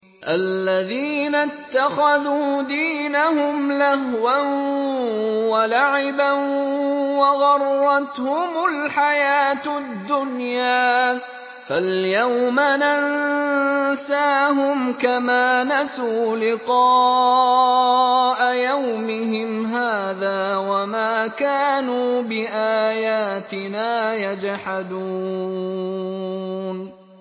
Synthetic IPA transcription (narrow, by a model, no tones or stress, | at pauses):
ʔalːaðiːnat̪ːaxaðuːd̪iːnahʊmlahwan | walaʕɪban | wɑɣɑrˤːɑt̪hʊmʊlħajaːt̪d̪ːʊnjaː | faljawmanan | saːɦʊmkamaːnasuːlɪqɑː | ʔajawmɪɦɪmɦaːðaːwamaːkaːnuːbɪʔaːjaːt̪ɪnaːjad͡ʒhad̪uː | n